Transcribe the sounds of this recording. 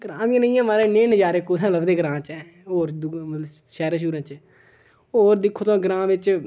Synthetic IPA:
ɡɾãːʋɪjãnəĩjãːmaːɾeːneːnəd͡ʒaːɾeːkot̪ʰɛ̃ːləbd̪eːɡəɾãːt͡ʃɛː | ɦoːɾd̪mət̪ləb | ʃɛːɾãʃ̬uːɾə̃nt͡ʃ | ɦoːɾd̪ɪkʰːoːt̪õːɡɾãːʋɪt͡ʃ

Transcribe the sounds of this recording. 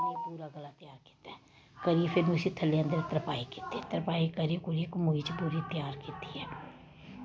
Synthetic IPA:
ipuːɾaːɡəlaːt̪jaːɾki̥ːt̪a | kəɾiːfʰeːnũːɪsiːt̪ʰəlːeːə̃nd̪əɾɪt̪əɾpaːiːki̥ːt̪iɛːt̪əɾpaːikəɾikuɾiːkmuːiːt͡ʃpuːɾiːt̪ɪjaːɾkiːt̪iːɛː

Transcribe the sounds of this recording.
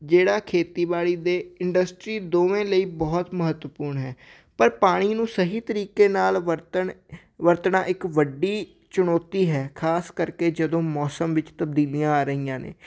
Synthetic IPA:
d͡ʒeːɽaːkʰeːt̪iːbaːliːd̪eːɪɳɖəsʈɾiːd̪oːʋẽːləiːbɔːt̪məɦət̪wəpuːɾɳɦɛː | pəɾpaːɽ̃iːnũːsəɦiːt̪əɾiːkeːnaːlʋəɾt̪əɳ | ʋəɾt̪ɳaːʔɪkʋəɖiː | t͡ʃʊɳoːt̪iːɦɛːkʰaːskəɾkeːd͡ʒəd̪õːmɔːsəmʋɪt͡ʃt̪əb̚d̪iːlijãːaːɾəɦiːjãːnḛː

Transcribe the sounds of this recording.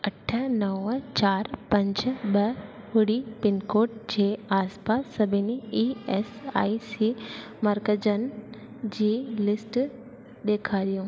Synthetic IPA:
ɐʈʰənɐʋət͡ɕaːɾpɐ̃ɲd͡ʒbɐ | ɦʊɽipɪnkoːʈ̚d͡ʑeaːspaːsːɐbʱiniiesa̰ːisi | mɐɾkəd͡ʒən | d͡ʑiːlɪsʈ | d̪eːkʰaɗ̪ijõ

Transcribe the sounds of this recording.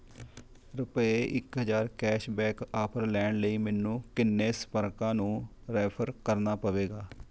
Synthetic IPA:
ɾəpeːʔɪkɦəzaːɾkɛːʃbɛːkaːpʰəɾlɛːɳləiːmɛːnũːkɪnːeːsə̥pəɾkãːnũː | ɾɛːpʰəɾkəɾnaːpəʋeːɡaː

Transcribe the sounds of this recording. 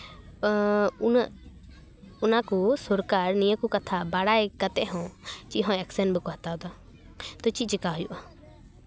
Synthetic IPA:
n | ʊnakosʊɾkaːɾnijəkukɐt̪ʰabaːɽaːekət̪eɦõːt͡ʃiɦõeksənbɪkoɦɐt̪aːd̪a | t̪ot͡ʃit͡ʃɪkaːɦʊjṵʔa

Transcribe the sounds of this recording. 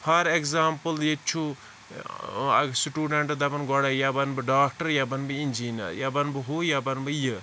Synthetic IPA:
pʰɐɾekzaːmpəljet͡ʃʰu | sʈuːɖɐɳʈd̪ɐbɐnɡɔɽajabɐnbɨɖaːk̚ʈɐɾjabɐnbind͡ʒiːnɐ̰ɾjabɐnbɨɦojabɐnbɨjɨ

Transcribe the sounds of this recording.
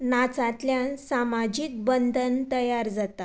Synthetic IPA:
nat͡sat̪ljãsamad͡ʑiːk̚bənd̪ʱənt̪əjaɾd͡zat̪a

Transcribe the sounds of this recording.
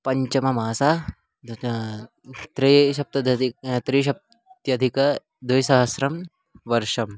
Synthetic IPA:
pɐɲt͡ʃɐmɐmaːsa | t̪ɾiʃɐp̚t̪ɐd̪ɐd̪it̪ɾiʃɐp̚ | t̪jɐd̪ʱikɐ | d̪ujsɐɦɐsɾɐm | ʋɐɾʃɐm

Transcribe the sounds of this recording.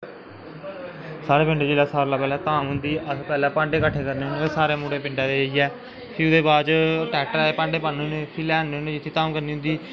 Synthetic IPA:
saːɾeːpɪ̃ɳɖeːd͡ʒeːlaːsaːɾlaːpɛːlɛːt̪aːmɦʊ̃nd̪iːʔəspɛːlɛːpãːɳɖeːkəʈʰːeːkəɾneːʊneːsaːɾeːmuːɽeːpɪ̃ɳɖãːd̪eːeiːɛː | pʰiʊd̪eːbaːd͡ʒʈɛːk̚ʈəɾaːepãːɳɖeːpəːneːneːpʰiːlɛːnːeːɦõnẽːd͡ʒɪt̪ʰːeːt̪aːmkəɾniːɦʊ̃nd̪iː

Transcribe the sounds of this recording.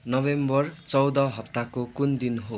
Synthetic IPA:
nʌbembʌrt͡sʌwd̪ʌɦʌpt̪akokund̪inɦo

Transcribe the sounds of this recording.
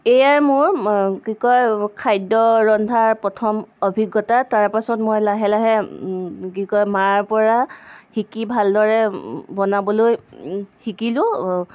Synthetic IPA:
ejaɹmʊɹkikɔjkʰajdɔɹɔndʱaɹpɹɔtʰɔmɔbʱiɡːɔtataɹpasɔtmɔjlaɦɛlaɦɛ | kikɔjmaɹpɔɹaxikibʱaldɔɹɛbɔnabɔlojxikilʊ̃

